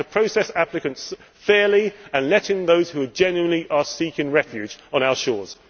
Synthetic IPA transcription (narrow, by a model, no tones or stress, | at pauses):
əpʰɹ̥əʊsɛsaplɪkə̃nts | fɛːliə̃nlɛtɪ̃ŋðəʊz̥hʉəd͡ʒɛ̃njuə̃nliʔəsiˑkɪ̃ŋɹɛfjʉːd͡ʒə̃ñaʊəʃɔːz̥